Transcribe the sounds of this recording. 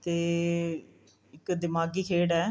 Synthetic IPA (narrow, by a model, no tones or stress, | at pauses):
t̪e | ɪkːɨd̪ɪmaːɡikeːɽɛ